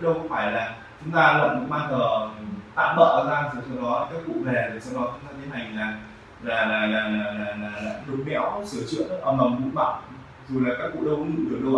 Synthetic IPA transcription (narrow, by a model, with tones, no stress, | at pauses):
ɗə˧wxo˧˦ŋ͡mfaː˧˩jlaː˨˩ | t͡ɕʊ˨˦ŋ͡mt̪aː˧lə̰˧˨nkʊ̰˧˥ŋ͡mɓaː˧nzəː˨˩˨t̪a̰ː˧˨mɓə̰ː˧˨ʔəː˧˩zaː˧zu˨˩sɔ˧wɗɔ˨˦˨kaː˦˥k̚kṵ˧˨vɛ˨˩t̪ʰi˨˩sɔ˧wɗɔ˨˦t͡ɕʊ˨˦ŋ͡mt̪aː˧t̪ʰə˨˦ɦa˨˩jŋ̟laː˨˩ | laː˨˩laː˨˩laː˨˩laː˨˩laː˨˩laː˨˩laː˨˩ɗɨ˨˩k͡p̚ŋɛ̰˧˥wsɨ˧˩ət͡ɕɨ̰˧˨ən˨˦ʔəː˨˩mə˨˩mkṵ˧˥ŋ͡mɓa̰˧˨ŋ͡m | zu˨˩laː˨˩kaː˦˥k̚kṵ˧˨ɗə˧wkɨ˧˥ɗɨ˨˩ək̚ɗə˧